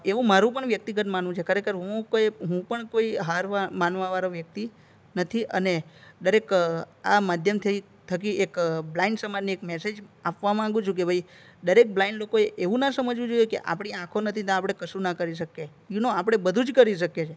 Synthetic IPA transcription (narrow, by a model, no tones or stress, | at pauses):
eʋũmaɾũp̬əɳʋjək̚t̪iɡət̪manʋũt͡ʃʰekʰəɾekəɾɦũkoeɦũpəɳkoiɦaɾʋamanʋaʋaɾoʋjək̚t̪i | nət̪ʰiʔəned̪əɾek | amad̪ʱjəmt̪ʰəi | t̪ʰəkiekblaiɳɖsəmanniekmɛsed͡ʒapʋamãːɡũt͡ʃʰũkebʱai | d̪əɾek̚blaiɳɖlokoeʔeʋũnasəməd͡ʒʋũd͡ʒojekḛʔa̰pɽ̃iãkʰonət̪ʰit̪ãapɽ̃ekəsunakəɾiʃ̬əke | junoapɽ̃ebəd̪ʱũd͡ʒkəɾiʃəket͡ʃʰe